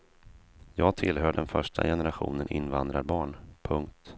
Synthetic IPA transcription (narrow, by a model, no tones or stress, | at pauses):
jɑːɡ̚t̪ʰɪlɦœːɖɛnfœʂʈʰa̰jɛnɛɾaɧṵːnənʔɪnːvand̪ɾaɾbɑːɳpʰɵŋk̚t̪